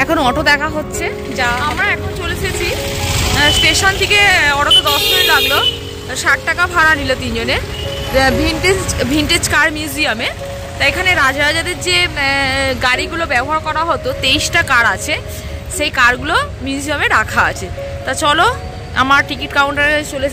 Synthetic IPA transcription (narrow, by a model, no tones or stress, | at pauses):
ɛkʰonɔʈʰod̪ɛkʰaɦotːɕʰe | d͡ʑaamɾaɛkʰont͡ɕolet̪ʰeet͡ɕʰi | sʈeʃont̪ʰekeɔʈoked̪ɔʃd͡ʑonelaɡlo | ʃaʈ̚ʈakafʰaɾanilot̪ind͡ʑone | bʱiɳʈed͡ʑbʱiɳʈed͡ʑkaɾmjuziame | t̪aekʰaneɾad͡ʑaɾad͡ʑad̪eɾd͡ʑe | ɡaɾiɡulobɛboɦaɾkɔɾaɦɔt̪ot̪eiʃʈakaɾat͡ɕʰe | ʃejkaɾɡulo | mjuziameɾakʰaa̰t͡ɕʰe | t̪at͡ɕɔlo | a̰maɾʈikiʈkawɳʈaɾkat͡ɕole